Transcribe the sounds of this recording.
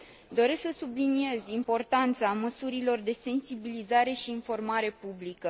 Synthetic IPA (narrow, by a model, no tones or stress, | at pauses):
d̪o̞ɾe̞sksəsublinie̞zimpo̞rt̪ant̪saməsuɾilo̞rd̪e̞se̞nsibilizaɾe̞ʃiːnfo̞rmaɾe̞publikə